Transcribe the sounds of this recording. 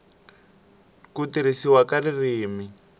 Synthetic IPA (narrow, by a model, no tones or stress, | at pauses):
kutiɾisiwakaririːmi